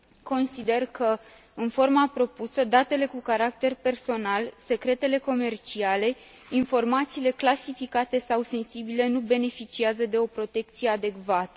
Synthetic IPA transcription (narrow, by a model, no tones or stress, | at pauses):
ko̞nsid̪e̞rkə | ɨnfo̞rmapɾo̞pusəd̪at̪e̞le̞kukaɾakt̪e̞rpe̞rso̞nalse̞kɾe̞t̪e̞le̞ko̞me̞rt͡ʃiale̞ | info̞rmat̪siːle̞klasifikat̪e̞sawse̞nsibile̞nube̞ne̞fit͡ʃiazəd̪e̞o̞pɾo̞t̪e̞k̚t̪sije̞ad̪e̞kvat̪ə